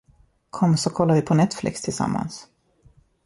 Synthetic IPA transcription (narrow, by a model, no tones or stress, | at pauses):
kʰɔmːsɔkʰɔlːaɾvɪpʰɔnɛt̪flɪ̰kst̪ʰɪlsa̰mːa̰ns